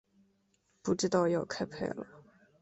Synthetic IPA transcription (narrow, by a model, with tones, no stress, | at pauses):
pu˥ʈ͡ʂɻ̩˥˧t̪ɑ˥˧ʊjo˥˩ʊkʰa˥ɪpʰḛ˥˩ɪlə̰˩